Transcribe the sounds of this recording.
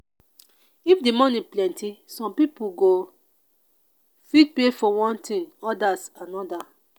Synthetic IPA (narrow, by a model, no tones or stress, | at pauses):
ifdemɔniplɛ̃ntisɔ̃mpipuɡo | fit̚pefɔwɔ̃ntʰĩŋɔdasanɔda